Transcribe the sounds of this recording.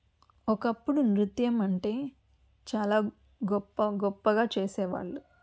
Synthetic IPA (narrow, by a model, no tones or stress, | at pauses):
ɔkɐpːuɽunɾut̪jɐmɐɳʈe̞ː | t͡ʃaːlaː | ɡɔpːɐɡɔpːɐɡaːt͡ʃeːsɛːʋa̰ːɭːu